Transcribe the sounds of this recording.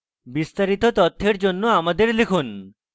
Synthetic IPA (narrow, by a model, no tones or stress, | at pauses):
bist̪aɾit̪ot̪ɔt̪ʰːeɾd͡ʑonːoamad̪eɾlikʰun